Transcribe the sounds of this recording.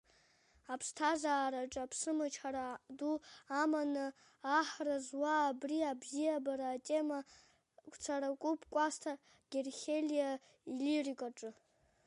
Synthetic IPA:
apʰstʰazaːɾaʈ͡ʂʼapʰsɨmɨt͡ʃʰħaɾaduamanɨː | ħrazwaːbriabzijabaɾaːtʼe̞ma | kʷʰʼt͡sʰaɾakʷʼupʰʼkʷʼastʰa | ɡ̥ʲerχʲelija | ilirikʼaʈ͡ʂʼɨ

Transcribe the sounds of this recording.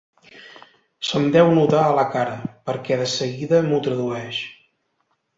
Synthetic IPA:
səmd̪ɛwnut̪aələkaɾəpəɾkɛðəsəɣiðəmut̪ɾəðuɛʃ

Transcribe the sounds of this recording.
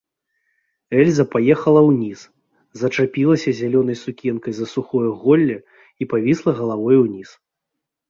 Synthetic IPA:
ɛlʲzɐpajɛxɐlˠɐwnʲis | zɐt͡ʂapʲilˠɐsʲɐzʲalʲɔnɐjsukʲɛnkɐjzɐsuxɔjɐɣɔlʲːɐ | ipavʲislˠɐɣɐlˠavɔjuwnʲis

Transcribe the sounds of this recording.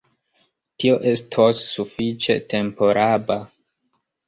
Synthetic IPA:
tio̞ʔe̞stʰosːufit͡ʃe̞̰tʰe̞mpo̞ɾʔaba

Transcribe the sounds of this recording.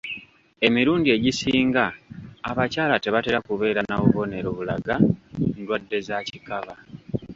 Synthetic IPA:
e̞miɾuːndie̞ɟisiːŋɡaːβacaːlate̞βate̞ɾakuβe̞ːɾanaβuβo̞ne̞ɾoβulaɡandwadːe̞zacikaβa

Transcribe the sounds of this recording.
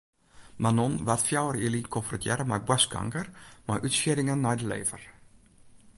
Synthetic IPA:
manonʋatfjawəɾilinkʰofrɔtʰjɛɾəmajbwaskʰa̰ŋkərmajʔytsidɪŋənːɛjdəlḛːvər

